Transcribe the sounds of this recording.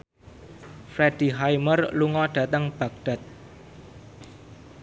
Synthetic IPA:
fɾɛd̥i̤ɦajmərluŋɔɖ̥ä̤t̪əŋb̥a̤k̚ɖ̥a̤t̪̚

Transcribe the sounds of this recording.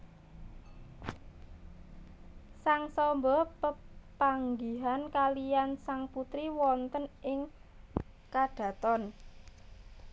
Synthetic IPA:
saŋsɔmbɔpəpaŋɡiɦankalijansaŋput̪ɾiwɔnt̪ənʔɪŋ | kaɖ̥ä̤t̪ɔn

